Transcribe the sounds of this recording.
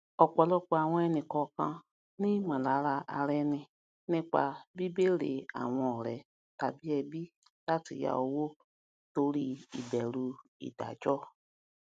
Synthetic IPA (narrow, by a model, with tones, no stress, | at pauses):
ɔ˧k͡pɔ˨lɔ˦k͡pa˨w̃ɔ̃˧ɛ˧nĩ˨kɔ˧kã˧ | nĩ˦mã˨la˨˦ɾa˧a̰˧ɾɛ˧nĩ˧ | nĩ˦k͡pa˧bi˦be˦ɾḛ˨a̰˨w̃ɔ̃˧ɔ˨ɾɛ̰˨˦ | ta˨bi˦ɛ˧bi˦ | la˦ti˨ja̰˨o˧wo˦ | to˧ɾi˦i˨bɛ˨ɾu˧ḭ˨da̰˨d͡ʒɔ˦